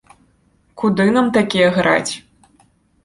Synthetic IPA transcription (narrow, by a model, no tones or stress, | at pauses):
kud̪ɨnamt̪akʲijɛɣɾa̰t͡sʲ